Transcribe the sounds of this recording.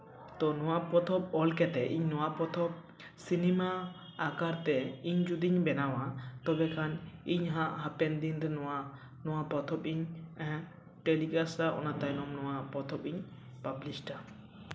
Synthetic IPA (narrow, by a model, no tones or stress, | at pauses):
d̪ɔnɔwaʔpɔt̪ʰɔp̚ɔlkɛt̪ɛʔiɲnɔwaʔpɔt̪ʰɔp̚ | sinimaːkaɾt̪ɛiɲd͡ʒud̪iɲbɛnawat̪ɔbɛkʰaniɲɦãʔɦapɛnd̪ind̪ɛnɔwa | nɔwapɔt̪ʰɔpiɲ̃ | ʈelikasaʔɔ̰nat̪ajnɔmnɔwaʔpɔt̪ʰɔpiɲ | pablisʈa